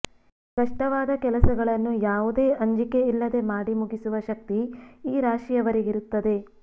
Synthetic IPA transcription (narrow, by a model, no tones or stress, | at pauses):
kɐʂʈɐʋaːd̪ɐkɛlɐsɐɡɐɭɐnːujaːʋud̪eːʔɐɲd͡ʒike̞ilːɐd̪e̞maːɽimuɡisuʋɐʃɐk̚t̪iiːɾaːʃijɐʋɐɾeɡiɾut̪ːɐd̪e̞